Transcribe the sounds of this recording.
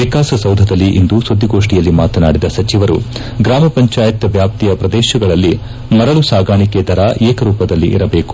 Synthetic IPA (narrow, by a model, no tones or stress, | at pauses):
ʋikaːsɐsɐwd̪ʱɐd̪ɐlːiʔind̪usod̪ʱːiɡo̞ːʂʈijɐlːimaːt̪ɐnaːɽid̪ɐsɐt͡ʃiʋɐɾṵ | ɡɾaːmɐpɐɲt͡ʃaːjɐt̪ɐʋjaːp̚t̪ijɐpɾɐd̪ɛːʃɐɡɐɭɐlːi | mɐɾɐɭusaːɡaːɳiked̪ɐɾaːʔeːkɐɾuːpɐd̪ɐlːḭʔḭɾɐbeːku̥